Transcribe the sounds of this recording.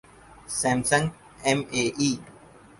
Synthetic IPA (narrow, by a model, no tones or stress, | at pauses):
sɛ̃ːmsə̃ŋɡ | ɛmeːʔiː